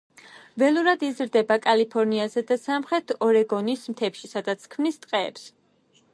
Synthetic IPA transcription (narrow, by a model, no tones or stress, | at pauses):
vɛlˠuɾad̪izɾd̪ɛbakʼalipʰɔɾniazɛd̪asamχɾɛt̪ʰɔɾɛɡɔnismt̪ʰɛpʃisad̪at̪sʰkʰmnist̪ʼqʼɛ̰ːps